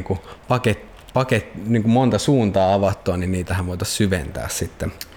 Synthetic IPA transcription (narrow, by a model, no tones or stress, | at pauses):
kupɑket̪ | pɑket̪ːniːŋkummont̪ɑsuːnt̪ɑːɑʋɑt̪ːoɑninniːt̪æhæʋʋoˑit̪ɑssyʋḛnt̪æ̰ːssit̪ːe